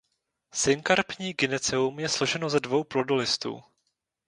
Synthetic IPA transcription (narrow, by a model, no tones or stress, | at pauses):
sɪŋkaɾpɲiːɡɪnɛt͡sɛumjɛslo̞ʒɛno̞zɛdvo̞wpɾodolɪst̪ṵː